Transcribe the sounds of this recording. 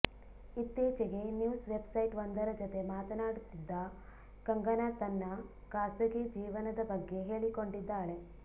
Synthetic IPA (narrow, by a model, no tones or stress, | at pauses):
it̪ːjeːt͡ʃeɡe̞njuːsʋebsɐjʈʋɐnd̪ɐɾɐd͡ʒot̪e̞maːt̪ɐnaːɽut̪ːid̪ːɐ | kɐŋɡɐnat̪ɐnːɐ | kaːsɐɡed͡ʒiːʋɐnɐd̪ɐbɐɡːe̞ɦeːɭiko̞ɳɖid̪ːaːɭe̞